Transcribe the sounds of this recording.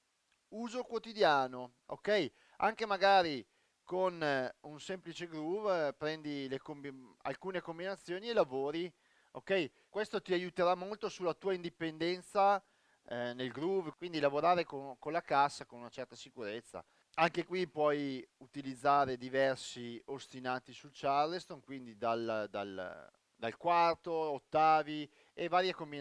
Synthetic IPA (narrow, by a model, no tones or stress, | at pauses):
uːzokwot̪id̪jaːno | o̰kɛj | a̰ŋkemaɡaːɾi | konunsemplit͡ʃeɡɾuvpɾɛnd̪ilekomia̰lkuːnekombinat̪sːjoːnielavoːɾi | okɛj | kwest̪ot̪iajut̪eɾamːolt̪osulːat̪uːaind̪ipend̪ɛnt̪sa | nelɡɾuvkwind̪ilavoɾaːɾekonkonlakasːakonunat͡ʃɛrt̪asikuɾet̪sːa̰ | aŋkekwipwɔjut̪ilid̪zːaːɾed̪ivɛrsiost̪inaːt̪isult͡ʃarlest̪onkwind̪id̪ald̪a̰l | d̪alkwart̪oot̪ːaːvi | evaːɾjekombi